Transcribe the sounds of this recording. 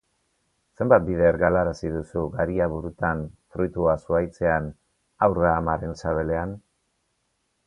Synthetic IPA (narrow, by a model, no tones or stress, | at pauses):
se̞mbat̪̚biðe̞ɾɣalaɾasiðusuɡaɾiaβuɾut̪anfɾujt̪uasuajt͡se̞an | awraːmaɾe̞nsaβe̞le̞an